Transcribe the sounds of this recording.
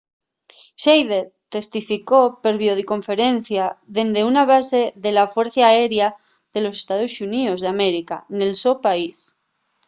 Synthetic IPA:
ʃejðet̪e̞st̪ifiko̞pe̞ɾβjoðiko̞ɱfe̞ɾe̞nθjaðe̞nd̪eunaβ̞ase̞ðe̞lafwe̞ɾθaːeɾja | ðe̞lo̞s̬e̥st̪aðosuniozðame̞ɾika̰ne̞lsopais

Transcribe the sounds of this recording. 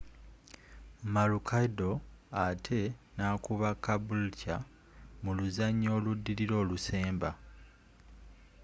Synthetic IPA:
malukʰaido̞atʰe̞naːkuβakːabulca | muluzaɲːo̞ːludːiɾiɾo̞ːluse̞ːmba

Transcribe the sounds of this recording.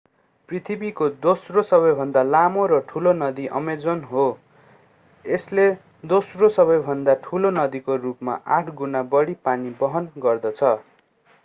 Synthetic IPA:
prit̪ʰibikod̪osrosʌβʌjbʱʌnd̪alamoɾʌʈʰulonʌd̪iʔʌ̰med͡zonɦo | esle | d̪osrosʌβʌjbʱʌnd̪aʈʰulonʌd̪ikorupma̰ʔaʈʰɡunabʌɽipanibʌɦʌnɡʌrd̪ʌt͡sʰʌ

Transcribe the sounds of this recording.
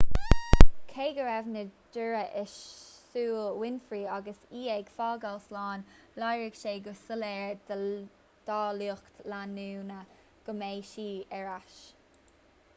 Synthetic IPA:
kʰeːɡəɹɛvnəd͡ʒʊɹəʔɪʃ | suːlwɪnfɹiːaɡəsiːɛɡ̥fɑːɡalslɑːnlajɹɪɡ̥ʃeːɡəsəlɛːɹd | d̪̥ɑːluːkt̪lanuːnə | ɡ̥əmeːʃiːɛɹaʃ

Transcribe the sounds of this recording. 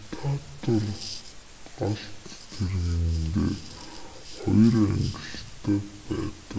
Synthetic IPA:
t̪ʰat̪ʰor | ɢaɮt̪t̪ʰerɣiŋɡ̪ḛː | χɔjræ̰ŋɡɪ̆ɬt̪ʰæːpæːt̪ə̥̆

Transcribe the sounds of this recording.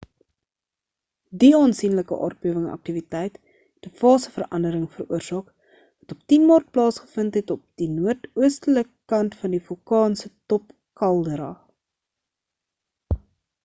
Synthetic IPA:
diɑːnsinləkə̰ʔɑ̰ːr̚biəvəŋɐ̰k̚tivitɛjt | d̥əfɑːsəfərɾʔɐndəɾəŋfəɾuərsɑːk | vɐtɔp̚tinmɑːrt̚plɑːsχə̥fəntɦɛtɔp̚d̥inuərtuəstələkkɐntfɐndifɔlkɑːnsətɔp | kɐlˠdəɾɑː

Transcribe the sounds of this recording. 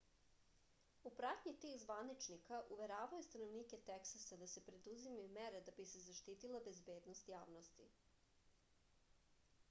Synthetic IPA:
upɾat̪ɲit̪iːxzʋanit͡ʃnikaʔuʋe̞ɾaːʋajust̪anoʋniːket̪eksasad̪asepɾe̞d̪uzimajumeɾed̪abise̞zaʃt̪iːt̪ilˠabe̞zbe̞ːd̪nost̪jaːʋnost̪i

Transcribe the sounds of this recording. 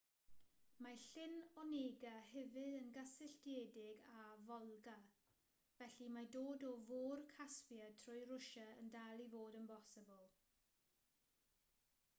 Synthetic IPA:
maɬɪnɔneːɡaɦɛvɨdənɡasɪɬtjeːdɪɡavɔlˠɡa | v̥ɛɬimadoːdɔvoːrkʰaspjatʰrʊjɾʊʃəəndalˠivoːdənbʰɔsɪbəlˠ

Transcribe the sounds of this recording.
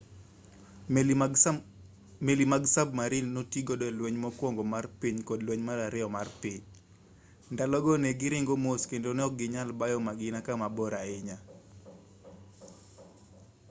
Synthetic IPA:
melimaɡsabmaɾilnotiɡodɔɛlwɛɲmɔkwɔŋɡɔmarpiɲkɔdlwɛɲmaɾaɾɪɔmarpiɲ | ndalɔɡɔneɡɪɾɪŋɡomoskendonɛɔk̚ɡɪɲalbajɔmaɡɪnakamabɔɾaɪɲa

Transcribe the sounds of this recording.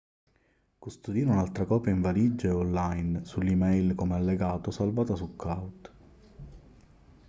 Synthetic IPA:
kust̪od̪iːɾeunalt̪ɾakɔːpjaiɱvalid͡ʒːeolːajnsulːimɛjlkomealːeɡaːt̪osalvaːt̪asukawd̪

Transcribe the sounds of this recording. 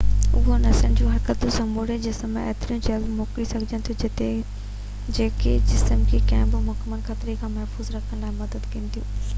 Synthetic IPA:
ʊ̰ɦonɐsənɪd͡ʑũːɦɐɾkət̪usɐ̃mbʱoːɽed͡ʑɪsm̰̃ḛːt̪ɾijũd͡ʑɐlmoːkɾisɐɡʱɪd͡ʑənɪ̆t̪ʰjũd͡ʑɐt̪e | d͡ʑeːked͡ʑɪsəmkʰeːkɐ̃ɦɪ̃bɪmʊɦkmənkʰɐt̪ɪɾekʰãːmɐɦfuːzɾɐkʰəñlaːɪmɐd̪əd̪kɐ̃ːnt̪ʰijũː

